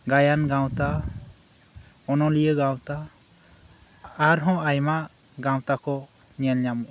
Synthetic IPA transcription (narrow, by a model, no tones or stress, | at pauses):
ɡajanɡaw̃t̪a | ɔnɔlijəɡãwt̪a | ɾɦɔ̃ajmaʔ | ɡãw̃t̪akʰɔ | ɲɛlɲamuʔ